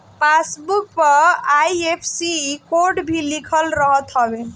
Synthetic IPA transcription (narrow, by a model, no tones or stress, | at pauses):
pasbuk̚pəɾajepʰsikoɾʈbʱilikʰəlɾʌɦʌt̪ɦʌbe